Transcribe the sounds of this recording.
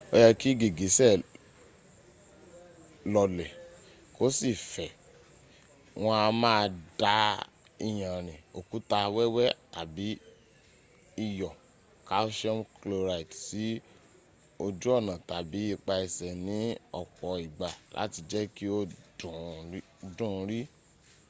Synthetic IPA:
o˦jɛ˧ki˦ɡi˨ɡi˨˦sɛ˦˨ | lɔ˧lɛ˨ | ko˦si˦˨fɛ˨ | w̃ɔ̃˧a˧mãː˦˧da˨˦ | i˦˨j̃ã˨ɾ̃ĩ˨o˨ku˨˦ta˧wɛ˦wɛ˦ta˨bi˨˦ | i˦˨jɔ˨ | ka˨˦ʃɔ̃˦mklo˧ɾa˨i˨tsi˨˦ | o˧d͡ʒu˦ɔ˦˨nã˨ta˨bi˨˦i˦˧k͡pa˧i˧sɛ˨nĩ˨˦ɔ̰˦˨k͡pɔ˨i˨ɡ͡ba˨la̰˨˦ti˧d͡ʒɛ˦ki˦o˦dũ˨˦ | dũ˦˨˧ɾi˦

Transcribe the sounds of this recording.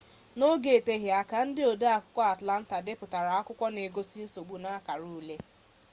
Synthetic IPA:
no˦ɡe˨e˨te˦ɦja˨ka˨n̩˦dɪ˦o˨da˦a˨kʊ˦kʷɔ˦a˨tla˦n̩˦ta˨dɪ˦pʊ˨ta˨ɾa˨a˦kʷʊ˦kʷɔ˦ne˨ɡo˦si˦n̩˦so˨ɡ͡bu˨na˦ka˨ɾu˦le˦

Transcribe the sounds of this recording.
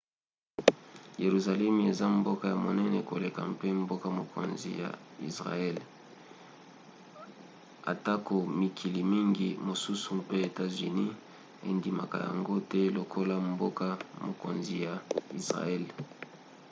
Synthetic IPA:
je˨ʁu˨za˨lɛ˦m˨e˨za˦mbo˦ka˨ja˨mo˨nɛ˦nɛ˨ko˨le˨ka̰˨pe˦m˦bo˦ka˦mo˨ko̰˨nzḭ˨ja̰˨ḭ˨sʁa̰˨ɛ˦˨l | a̰˨ta˦ko˨mi˨kʰi˨li˨mi˦ŋɡḭ˦mo˨su˦su˨pe˦e˨ta˦zy˨ni˦ | ḛ˨ndi˨ma̰˨ka̰˨ja̰˨ŋɡo˦tɛ˦lo˨kʰo˦la˦mbo˦ka˦mo˨ko̰˨nzi˨ja˨i˨sʁa̰˨ɛ˦l

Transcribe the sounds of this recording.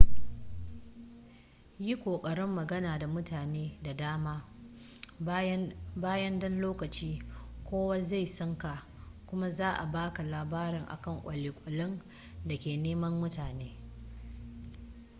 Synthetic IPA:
ji˦kʷoː˨kʼɐ˨ɽɪ˦mːɐ˨ɡɐ˦naː˨da˨mʊ˦taː˨neː˦da˨daː˦maː˦ | baː˦jɐ˦ndɔ˦nloː˦kɐ˨t͡ʃiː˦kʷoː˦wa˦za˦˨jsɔ˦ŋka˨ʔ | kʷʊ˦ma˦zaː˦ʔa˨baː˦ka˨laː˨baː˦ɾɪ˨ŋʔa̰˨kɐ˦˨ŋkʷʼɐ˨lɪː˨kʷʼʊ˨lɪ˦n | da˨kʲeː˨neː˦mɐ˦mːʊ˦taː˨neː˦

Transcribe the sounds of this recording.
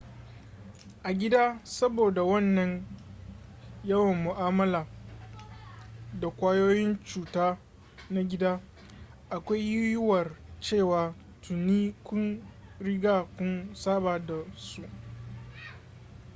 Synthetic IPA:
ʔa˨ɡʲɪ˦daː˦sɐ˦boː˨da˨wɐ˦nːɐ˨ɲ | jɐ˦wɐ˨mːʊ˨ʔaː˦mɐ˦laː˨ | da˨kʷaː˦joː˦jɪ˦nt͡ʃuː˨taː˦ | na˦ɡʲɪ˦daː˦ | ʔa˨kʷa˦jjjʊ˦wɐ˨rt͡ʃeː˦˨waː˨ | tʰʊ˨nːiː˦kʷʊ˦nɽɪ˦ɡaː˦kʷʊ˦nsaː˦baː˨da˨su˦ʔ

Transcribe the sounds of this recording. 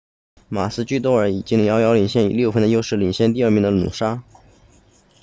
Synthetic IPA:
ma˨˩sɹ̩˥t͡ɕy˥˩t̪̬wɔ˥ə˞˧˥i˨˩t͡ɕi˥ŋli˧˥jɑ˥jɑ˧˥ʊli˨˩ŋɕjɛ˥˩ni˨˩ljo˥˩ʊfə˥nd̪ə˧jo˥ʊʂɻ̩˥˩li˨˩ŋɕjɛ˥˧nt̪̬i˥˧ə˞˥˩mi˧˥ŋd̪ə˧nṵ˨˩ʂa˥

